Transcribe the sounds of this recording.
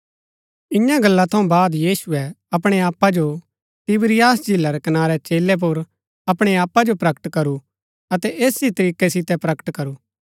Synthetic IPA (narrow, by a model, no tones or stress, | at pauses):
ɪ̃jãɡɐlːat̪ʰɐũbaːd̪jiːsuɛɐpɽ̃eaːpːad͡ʒo | t̪ɪbɾɪjaːsd͡ʒilːaɾɛkɐnaːɾɛt͡ʃeːlːɛp̬uɾ | ɐpɽ̃eaːpːad͡ʒopɾɐkəʈkɐɾu | ɐt̪ɛʔeːsit̪ɐɾiːkɛsɪt̪ɛpɾɐkə̥ʈkɐɾuː